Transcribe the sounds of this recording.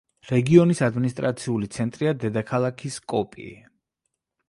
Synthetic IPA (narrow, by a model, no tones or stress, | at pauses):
ɾɛɡiɔnisad̪minist̪ʼɾʔa̰t̪sʰiulit̪sʰɛnt̪ʼɾiad̪ɛd̪akʰalˠakʰiskʼɔpʼḭḭ